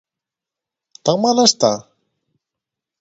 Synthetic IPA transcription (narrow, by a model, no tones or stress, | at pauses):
t̪akmalast̪a